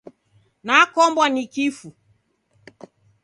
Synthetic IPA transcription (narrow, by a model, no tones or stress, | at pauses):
nakɔmbwanikifu